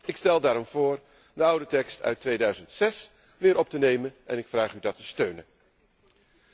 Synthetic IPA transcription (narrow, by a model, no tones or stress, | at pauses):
ɪkstɛlˠdaːɾɔmv̥ʊːɹ | dəʌwdətɛkstœ̰ɥtʋejdœɥzəntsɛs | ʋɪːɾɔp̚tənejmənʔɛ̰nɪkfraːχydɑtəstøɥnən